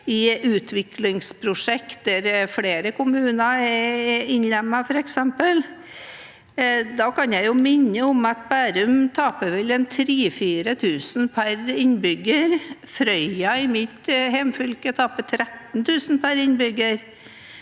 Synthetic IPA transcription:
ɪʉːt̪ʰʋɪklɪŋspʰɾʊʂɛkt̪̚d̪æɾfɽeːɾəkʰʊmʉːnɑɛɪnlɛmːɑfɔɾɛksɛmpəl | d̪ɑːkʰɑnjæɪjʊmɪnːəʊmɑt̪bæːɾʉmt̪ʰɑːpəʋɛlɛnt̪ʰɾiːfiːɾət̪ʰʉːsnpʰæɾɪnbʏɡːəɾfɾœʏɑɪmɪt̪hɛmfʏlkət̪ʰɑːpət̪ʰɾɛt̪nt̪ʰʉːsn̩pʰæɾɪnbʏɡəɾ

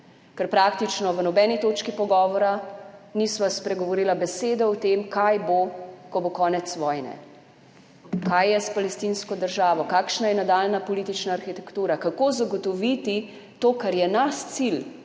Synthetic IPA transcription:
kɛɾpɾakt̪it͡ʃnɔʋənɔbɛːnit̪oːt͡ʃkipɔɡɔːʋɔɾanisʋaspɾɛɡɔʋɔɾiːlabɛseːd̪ɔɔt̪emkajbokɔbokɔːnɛt̪sʋɔːjnɛ̰ | kajːɛspalɛst̪inskɔd̪əɾʒaːʋɔkaːkʃnajɛnad̪aːlnapɔliːt̪it͡ʃnaːɾxit̪ɛkt̪uːɾakakoːzaɡɔt̪ɔʋit̪i | t̪oːkaɾjɛnast̪sil

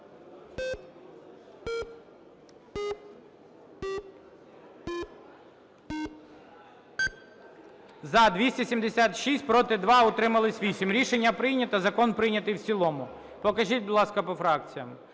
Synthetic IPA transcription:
zɐd̪ʋʲisʲtʲisʲimd̪esʲat̪ʃisʲt̚ʲpɾɔt̪ɪd̪ʋɑɔt̪ɾɪmɐlˠɪsʲʋʲisʲimɾʲiʃenʲːɐpɾɪjnʲɐt̪ɐzɐkɔnpɾɪjnʲɐt̪ɪjwt͡sʲilˠɔmʊ | pɔkɐʒitʲbʊd̪lˠɑskɐpɔfɾɑk̚t͡sʲijɐm

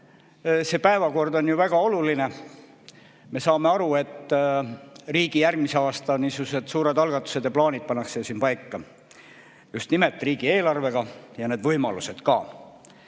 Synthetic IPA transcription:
se̞pæevɑko̞rd̪o̞njuvæɡ̥ɑo̞luline̞ | me̞sɑːme̞ɑɾue̞t̪ˑː | riːɡ̥ijærɡmise̞ɑːst̪ɑniːsuse̞d̪̥suːɾe̞d̪ɑlɡ̥ɑt̪ːˑu̥se̞d̪̥jɑplɑːnʲid̪̥̚pɑnːɑkse̞josiːnpɑjkːˑɑ | just̪nimet̪ːˑriːɡ̥ie̞ːlɑrve̞ɡ̥ɑjɑne̞ːd̪vɤjmɑluse̞d̪̥kɑː

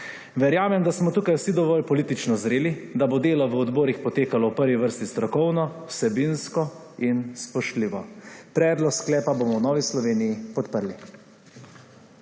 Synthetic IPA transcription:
ʋɛɾjaːmɛmd̪asmɔt̪uːkajwsid̪ɔʋɔːlpɔlit̪it͡ʃnɔzɾeːlid̪abod̪eːlɔʋəɔd̪bɔːɾixpɔt̪eːkalɔwpəɾʋiʋəɾst̪ist̪ɾɔkɔwnɔwsɛbinskɔ | inspɔʃt̪liːʋɔpɾɛːd̪lɔksklɛːpabomɔwnɔːʋislɔʋeːnijipɔt̪pəɾli

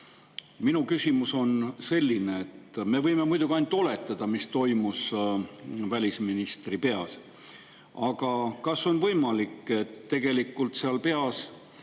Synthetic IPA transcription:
minukysʲimuso̞nse̞lʲːine̞et̪ːme̞vɤ̞jme̞mujd̪uɡ̥iɑnt̪ːˑo̞le̞t̪ːˑɑd̪̥ɑmist̪o̞jmus | vælʲisminist̪ripe̞ɑs | ɑɡ̥ɑkɑso̞nvɤ̞jmɑlikːˑe̞t̪ːe̞ɡ̥e̞likːˑult̪seɑlpe̞ɑs

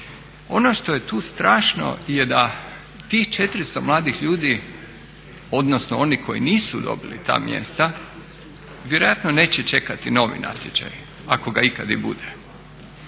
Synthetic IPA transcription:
o̞noʃt̪o̞je̞t̪uːst̪ɾaːʃno̰jed̪a | t̪iːxt͡ʃet̪ɾist̪o̞mlˠaːd̪ixʎuːd̪i | o̞d̪nosnoo̞niko̞jḭniːsud̪o̞̰bilḭt̪a̰ːmjḛst̪a | ʋje̞ɾo̞jat̪none̞ːt͡ɕet͡ʃe̞kat̪ino̞ʋḭnʔa̰t̪ʲjet͡ʃa̰j | ako̞ɡaikad̪ḭbṵd̪e

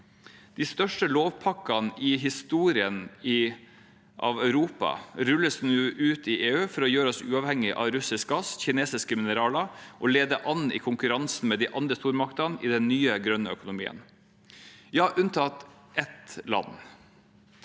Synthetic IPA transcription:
d̪̥ɪst̪œʂʈəloːʋpʰɑkɑnɪɦɪst̪uːɾɪənɪ | ʔɑ̰ʋœʉɾuːpɑ̰ɾʉlːəsnuːʔʉːt̪ɪʔeːʉːfɔɾɔjøːɾəɔsʉːɑːʋhɛŋːɪʔɑ̰ʋɾʉsɪsk̚ɡɑsçɪneːsɪskəmɪnəɾɑːlɑʔɔleːd̪əʔɑnɪ̰kʰʊŋkʉɾɑnsn̩mɛːd̪ɪʔɑnd̪ɾəst̪uːɾmɑkt̪ɑnɪ̰d̪ɛnnyːəɡɾœnːəœkʊnʊmḭːə̰n | jɑːʔʉnt̪ʰɑt̪ | ʔɛt̪lɑ̰nː

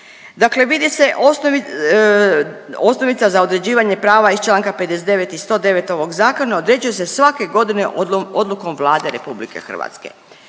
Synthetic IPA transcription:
d̪akle̞ʋid̪ise̞ʔo | osno̞ʋit̪sazao̞d̪ɾe̞d͡ʑiːʋaɲe̞pɾaːʋaist͡ʃlˠaːŋkape̞d̪es̬d̪e̞ʋet̪ist̪o̞ːd̪e̞ʋe̞t̪o̞ʋo̞ɡzaːko̞naod̪ɾe̞d͡ʑujese̞sʋake̞ɡo̞d̪ineod̪luko̞mʋlˠaːd̪eɾepublike̞̰xr̩ʋa̰t̪skḛ

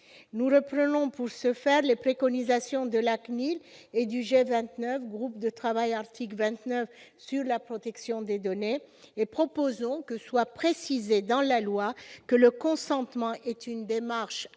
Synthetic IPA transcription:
nuʁəpχənɔ̃puʁsəfɛʁlepχekɔnizasjɔ̃d̪əlakniled̪yʒevɛ̃t̪nœfɡʁupd̪ət̪χavajaʁt̪ʰiklvɛ̃t̪nœfsyʁlapχɔt̪ɛksjɔ̃d̪ed̪ɔne | epχɔpozɔ̃kəswapχesized̪ɑ̃lalwakələkɔ̃sɑ̃t̪mɑ̃ʔɛt̪ynd̪emaʁʃ

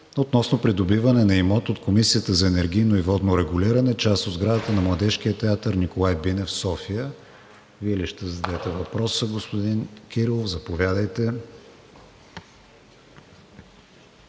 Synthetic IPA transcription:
ot̪nɔsnopɾid̪obivɐnɛnɐimɔt̪ot̪komisiət̪əzɐɛnɛɾɡ̟ʲijnoivɔd̪noɾɛɡʊliɾɐnɛt͡ʃast̪od̪zɡɾad̪ət̪ənɐmlˠɐd̪ɛʃk̟iət̪ɛat̪əɾnikolˠajbinɛfsɔfijə | viɛliʃt̪ɛzɐd̪ɛt̪ɛvɐpɾɔsəɡospod̪inkʲiɾilˠofzɐpovʲjad̪əjt̪ɛ

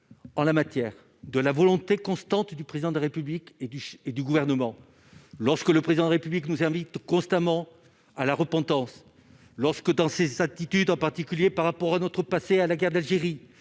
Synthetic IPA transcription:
ɑ̃lamat̪jɛʁ | d̪əlavɔlɔ̃t̪ekɔ̃st̪ɑ̃t̪d̪ypχezid̪ɑ̃d̪əlaʁepybliked̪yʃed̪yɡuvɛʁnəmɑ̃ | lɔʁskələpχezid̪ɑ̃d̪laʁepybliknuzɛ̃vit̪kɔ̃st̪amɑ̃ | alaʁəpɑ̃t̪ɑ̃s | lɔʁskəd̪ɑ̃sezat̪it̪yd̪ɑ̃paʁt̪ikʲyljepaʁːapɔʁanɔt̪χəpasealaɡɛʁd̪alʒeʁi

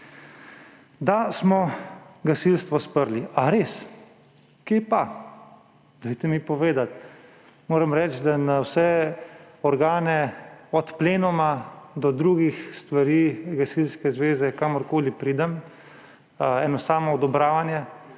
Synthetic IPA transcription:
d̪asmɔɡasilst̪ʋɔspəɾliʔaɾeːs | kepa | d̪̥ɔjt̪ɛmipɔʋeːd̪at̪ | moːɾɛmɾɛːt͡ʃd̪anawsɛ | ɔɾɡaːnɛɔt̪pleːnɔmad̪ɔd̪ɾuːɡixst̪ʋaɾiːɡasilskɛzʋeːzɛkamɔɾkoːlipɾiːd̪ɛm | ɛːnɔsaːmɔɔd̪ɔbɾaːʋanjɛ

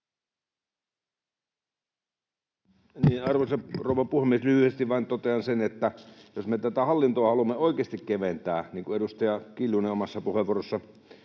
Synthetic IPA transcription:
niːnɑrʋosɑrouʋˑɑpuhemːieslyhyhest̪iʋʋɑint̪ot̪eɑnsenet̪ːæjosmet̪æt̪æhɑlːint̪oɑhɑlumːeoikeːst̪ikkeʋent̪æːniːŋkueɾust̪ɑjɑkiljuneomɑsːɑpuheʋˑuorosːɑ

